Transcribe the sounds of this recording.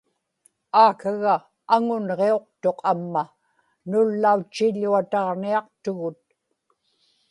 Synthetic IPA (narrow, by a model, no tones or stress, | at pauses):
aːkaɣaː | ŋʊnʁe̞o̞q̚t̪o̞qʰamːa | nʊlːaut͡ʃːiʎːuat̪ɑʁniɑqt̪ʊɣʊt̪̚